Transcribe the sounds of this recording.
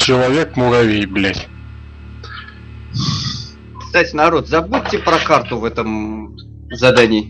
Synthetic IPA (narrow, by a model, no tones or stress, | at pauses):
t͡ɕɪlˠɐvʲekmʊɣɐvʲejblʲætʲ | kst̪atʲɪnɐɾo̞t̪zɐbutʲːɪpɾɐkart̪ʊvɛt̪əm | zɐd̪anʲɪː